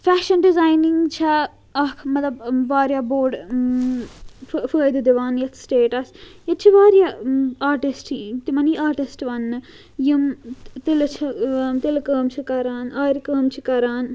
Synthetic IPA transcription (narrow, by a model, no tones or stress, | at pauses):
fæːʃɐnɖizaːjniŋɡt͡ʃʰɐ | ɐkʰmɐt̪lɐbʋaːɾjaboːɾɖ | fəːjd̪ɨd̪iʋaːnjɐt̪ʰsʈeːʈɐsjɐt͡ʃʰiʋaːɾjaaːɾʈisʈt̪imɐniaːɾʈisʈʋɐnːɨ | jimt̪ilt͡ʃʰit̪ilkəːmt͡ʃʰikɐɾaːnaːjɾkəːmt͡ʃʰikɐɾaːn